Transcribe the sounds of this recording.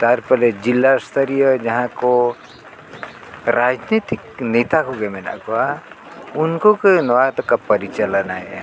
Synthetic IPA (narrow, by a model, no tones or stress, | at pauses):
t̪aɾpəled͡ʒilːast̪ʰəɾijəd͡ʒɐɦãko | ɾaːd͡ʒnit̪ikneːt̪akoɡemena̰koa | ʊnkokenʋat̪kapəɾit͡ʃələnaɦe